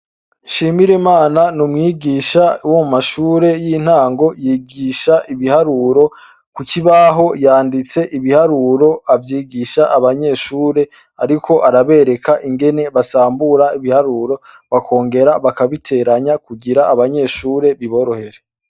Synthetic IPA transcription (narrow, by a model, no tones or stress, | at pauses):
ʃiːmiɾimaːnanumŋiːɡiʃawomumaʃuːɾe̞jiːn̥haːŋɡo̞jiːɡiʃaʔiβihaɾuɾo̞ | kuciβaɦo̞jaːndit͡se̞ʔiβihaɾuɾo̞avjiːɡiʃaʔaβaɲe̞ʃuːɾe̞ | aɾikʰo̞ʔaɾaβe̞ɾe̞kʰaʔiŋɡe̞ne̞βasaːmbuɾaiβihaɾuːɾo̞ | βakʰo̞ːŋɡe̞ɾaβakaβitʰe̞ɾaɲakuɡiɾaːβaɲe̞ʃuːɾe̞βiβo̞ɾohe̞ɾe